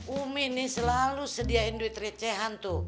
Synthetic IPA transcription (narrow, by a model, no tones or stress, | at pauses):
umɪnɪsəlalusədiaindust̪ɾit͡ʃɛɦant̪u